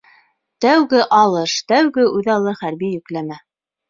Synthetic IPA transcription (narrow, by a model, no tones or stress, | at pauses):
t̪æwɡɘʔɑlˠɤʃt̪æwɡɘʔʉðɑlˠɤχæɾbijɵ̆klæmæ